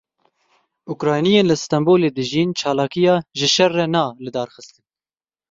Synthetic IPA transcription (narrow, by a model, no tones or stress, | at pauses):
ʔukɾɑːjnijeːnlɨst̪ɑmboːleːd̪ɨʒiːnt͡ʃʰɑːlɑːkijɑːʒɪʃɛrːɛnɑːlɨd̪ɑːɾxɨst̪ɨn